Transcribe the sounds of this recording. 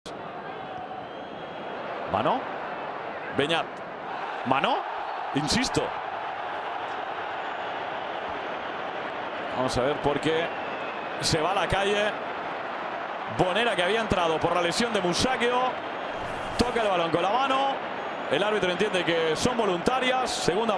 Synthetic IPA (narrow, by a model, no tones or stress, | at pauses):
ma̰no | beɲat̪̚ | manoinsist̪o̰ | ba̰mosaβeɾpoɾke | se̞β̞alakaʝe | bo̞ne̞ɾakeaβiae̞nt̪ɾað̞opoɾlalesjo̞nd̪emusakeo | t̪okaelβalõ̞ŋko̞nlamano | elaɾβit̪ɾont̪je̞nd̪ekeso̞mbo̞lunt̪aɾjasːeɣ̞und̪a